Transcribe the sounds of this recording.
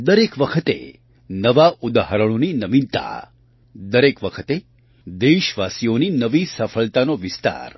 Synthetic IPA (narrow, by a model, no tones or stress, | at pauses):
d̪əɾekʋəkʰət̪ḛ | nəʋaʔud̪aɦəɾəɽ̃oninəmint̪a̰ | d̪əɾekʋəkʰət̪e | d̪eʃʋasijoninəʋisəfʰəɭt̪anoʋist̪a̰ɾ